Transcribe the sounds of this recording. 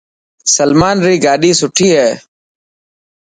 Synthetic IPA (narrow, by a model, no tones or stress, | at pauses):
səlmaːnɾiːɡaːɗiːsʊʈʰiːɦɛː